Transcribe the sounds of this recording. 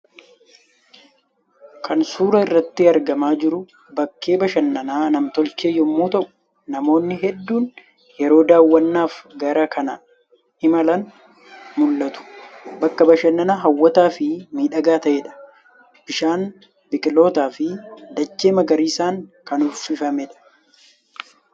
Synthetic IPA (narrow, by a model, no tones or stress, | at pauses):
kʰɐnsuːɾɐɪrːɐt̪ːɪɐɾɡɐmaːd͡ʒɪɾʊ | bɐkʰːe̞ːbɐʃɐnːɐnaːnɐmt̪ɔlt͡ʃeːjɔmːuːt̪ɐʔʊ̥ | nɐmo̞ːnːɪɦɛd̪ːuːn | jɛɾo̞ːd̪aːwːɐnːaːfɡɐɾɐkɐnɐ | ɪmɐlɐn | mʊlːɐt̪ʊ̥bɐkːɐbɐʃɐnːɐnaːɦɐwːɐt̪aːfɪmiːᶑɐɡaːt̪ɐʔeːᶑɐ̥ | b̥ɪʃaːn | bɪkʼɪlo̞ːt̪aːfɪd̪ɐt͡ʃːeːmɐɡɐɾiːsaːŋkɐnʊfɪfɐmɛᶑɐ̥